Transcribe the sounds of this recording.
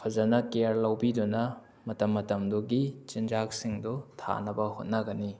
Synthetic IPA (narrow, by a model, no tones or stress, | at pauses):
pʰɐzɐnɐkeɾlɐwbidunɐ | mɐtɐmːɐtɐmduɡit͡ʃind͡ʒak̚siŋdutʰa̰nɐbɐhot̚nɐɡɐni